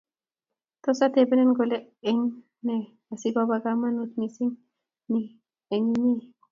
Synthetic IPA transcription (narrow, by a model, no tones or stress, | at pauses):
t̪osat̪ebenenɡoleeɲ | ne | asibabaɡamanut̪nisiŋ | ni | eɲini